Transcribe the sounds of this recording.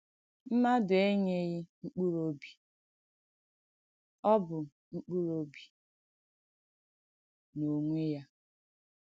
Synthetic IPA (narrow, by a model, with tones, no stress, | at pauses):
m̩˦ma˦dʊ˨e˦ɲe˦ɣɪ˦ŋ͡m̩˦k͡pu˦ɾo˦bi̥˨ | ɔ˦bʊ˨ | ŋ͡m̩˦k͡pu˦ɾo˦bi̥˨ | no˨ŋʷe˦ja˦